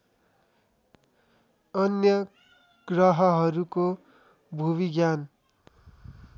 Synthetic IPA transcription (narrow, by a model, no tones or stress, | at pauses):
ʌnjʌ | ɡ̥rʌɦʌɦʌɾuko | bʱuβiɡjan